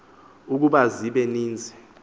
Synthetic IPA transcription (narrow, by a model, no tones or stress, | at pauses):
uk̬uɓaziɓɛniːnd͡zʱɛ